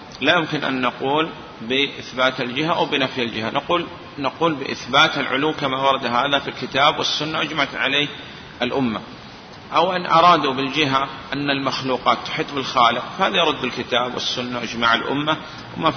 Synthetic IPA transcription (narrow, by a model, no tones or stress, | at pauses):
lajʊmkɪnʔa̰nːɑquːl | bɪʔɪθbaːt̪ald͡ʒɪɦaʔawbɪnafjɪld͡ʒɪhanʔaquːl | naquːlbɪʔɪθbaːt̪alʕʊ̰luwːkamawɑɾˤɑd̪ɦaːðafilkɪt̪aːbwɪsːʊnːaʔad͡ʒmaʕat̪ʕaleː | ʔalʔʊmːa | ʔawʔɪnʔɑɾˤɑːd̪ubɪld͡ʒɪɦaʔanːalmaxluːqɑːt̪ːʊ̥ħɪt̪ˤːbɪlxaːlɪqfahaːðajɑɾˤʊd̪ːɪlkɪt̪aːbwʔɪ̰sːʊnːaʔad͡ʒmaʕalʔʊ̰mːa | wma